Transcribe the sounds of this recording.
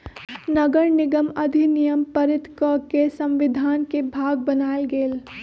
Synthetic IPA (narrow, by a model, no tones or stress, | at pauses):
nɐɡəɾnɪɡəmɐd̪ʱinijəmpəɾɪt̪kəkesɐ̃mʋɪd̪ʱaːnkebʱaːɡ̚bənaːelɡeːl